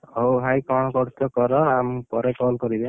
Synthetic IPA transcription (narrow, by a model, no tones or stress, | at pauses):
ɦoɦajkɔñɔkɔɾt̪ɔkɔɾɔampɔɾɛkɔlkɔɾibɛ̃